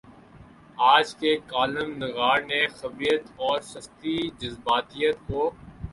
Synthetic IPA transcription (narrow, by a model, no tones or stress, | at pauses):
aːd͡ʒkekaːləmnɪɣaːɾnexɐbɾijət̪ɔːɾsɐst̪id͡ʒɐzbaːt̪ijət̪ko